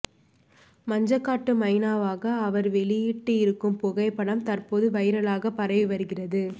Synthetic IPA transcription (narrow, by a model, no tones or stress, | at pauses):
mɐɲd͡ʒɐkːaːʈːɯmɐɪnaːʋaːɣɐːʋɐɾʋɛɭɪjiʈːɯɪɾɯkːɯmpʊɣɐɪpːɐɽɐmt̪ɐrpoːðɯʋɐɪɾɐɭaːɣɐpɐɾɐʋiʋɐɾɯɣɪrɐðɯ